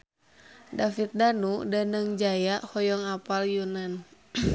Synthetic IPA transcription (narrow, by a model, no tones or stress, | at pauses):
dafit̪̚danudanəŋd͡ʒajaʔhɔjɔŋapaljunan